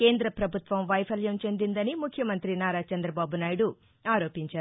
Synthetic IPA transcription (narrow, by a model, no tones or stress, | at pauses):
ke̞ːnd̪ɾɐpɾɐbʱut̪ʋɐmʋɐjpʰɐljɐmt͡ʃe̞nd̪ind̪ɐnimukʰːjɐmɐnt̪ɾinaːɾaːt͡ʃɐnd̪ɾɐbaːbunaːjiɽu | aːɾo̞ːpiɲt͡ʃaːɾu